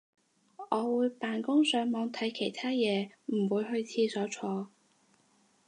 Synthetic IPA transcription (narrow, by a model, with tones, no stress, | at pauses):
ʔɔː˨˧wuː˨˧jpaː˨nkʊ˥ŋsœː˨˥ŋmɔː˨˧ŋt̪ʰɐ˨˥jkʰe˨˩jt̪ʰaː˥jɛː˨˧m̩˨˩wuː˨˧jɦɵ˧ɥt͡sʰiː˧sɔː˨˥t͡ʃʰɔː˧